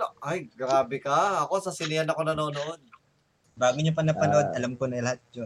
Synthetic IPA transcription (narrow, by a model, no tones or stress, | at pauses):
ʔɐjɡɾaːbɛkɐɐko̞sɐsɪnɪjɐnɐko̞nɐno̞ːnoʔo̞d̪̚ | baːɡʊɲopɐnɐpɐnoʔod̪̚ʔɐlamkonɐŋlɐhat̪̚d͡ʒon